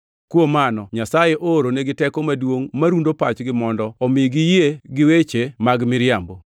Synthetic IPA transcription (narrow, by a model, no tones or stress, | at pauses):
kwomanɔɲasajeʔoːɾoneɡɪtɛkomadwoŋmaɾundopat͡ʃɡɪmɔndɔɔmɪɡɪjeɡɪwet͡ʃemaɡmɪɾɪambo